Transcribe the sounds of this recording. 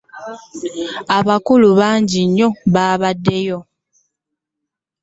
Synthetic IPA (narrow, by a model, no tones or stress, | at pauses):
aβakuluβaːɲɟiɲːo̞βaːβadːe̞jo̞